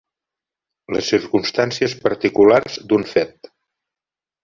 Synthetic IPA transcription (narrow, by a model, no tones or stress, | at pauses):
lə̰sːiɾkunst̪ansiəspəɾt̪ikularzd̪unfɛt̪